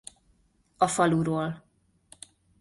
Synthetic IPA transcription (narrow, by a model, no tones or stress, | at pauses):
ɒfɒluɾoːl